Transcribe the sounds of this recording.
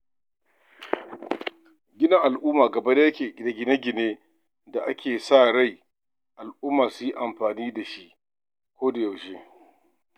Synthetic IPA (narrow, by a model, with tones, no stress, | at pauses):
ɡʲɪ˦nɐ˦ŋʔa˨lʔʊː˦maː˨ɡɐ˨ba˦da˦ja˦kʲeː˨ɡʲda˨ɡʲɪ˨ne˦ɡʲɪ˨neː˦ | da˨ʔa˦kʲeː˨saː˦˨ɽa˦˨j | ʔa˨lʔʊ˦mːaː˨sʊ˦ji˦ʔa˨mɸaː˨niː˦da˨ʃi˦ʔ | kʷoː˦da˨ja˨wʃeː˦